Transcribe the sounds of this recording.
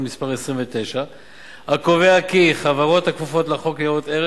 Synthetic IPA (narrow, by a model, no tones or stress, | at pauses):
mispaʁesʁimvet̪ejʃa | hakoveakiχavaʁo̞t̪hakvufo̞tlaχo̞kleot̪eʁ